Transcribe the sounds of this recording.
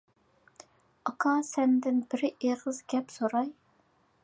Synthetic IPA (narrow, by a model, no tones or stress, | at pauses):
ɑqʰɑsɛnd̪ɪnbɪɾeʁəzɡʲɛpsoɾɑj